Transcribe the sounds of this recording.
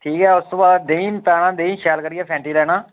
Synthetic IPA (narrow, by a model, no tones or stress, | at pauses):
ʈʰiːkɦɛːʊst̪õːbaːd̪d̪eːnpaːɽaːd̪eĩːʃʰaːlkəɾɪjaːpʰɛ̃ːɳʈiːlɛːɽãː